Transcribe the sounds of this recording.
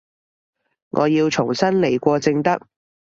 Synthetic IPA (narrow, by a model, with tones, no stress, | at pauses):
ŋʔɔ̰ː˨˧jiː˧wt͡ʃʰʊ˨˩ŋsɐ˥nle˨˩jkʷɔː˧t͡sɪ˧ŋt̪ɐ˥k̚